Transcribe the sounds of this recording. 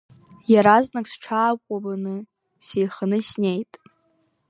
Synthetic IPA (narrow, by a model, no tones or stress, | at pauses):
jaɾaznakʼsʈ͡ʂʰaːkʷʼabanɨ | sejχanɨsnʲe̞jtʼ